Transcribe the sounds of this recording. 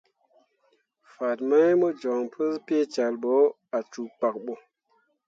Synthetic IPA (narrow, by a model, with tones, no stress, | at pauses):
fa˨t̚ma˦jmo˦d͡ʒɔ˨ŋpʰə˦spe˦t͡ʃa˨lɓo˨˦ | a˨t͡ʃu˨k͡pa˨k̚ɓo˨